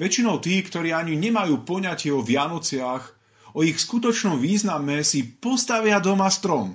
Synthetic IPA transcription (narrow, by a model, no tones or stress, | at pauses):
ʋɛt͡ʃinɔʊt̪iːkt̪ɔɾiːaɲiɲɛmajuːpɔɲacɪɛɔʋɪanɔt͡sɪax | ɔixskut̪ɔt͡ʃnɔmʋiːznamɛsipɔst̪aʋɪad̪ɔmast̪ɾɔm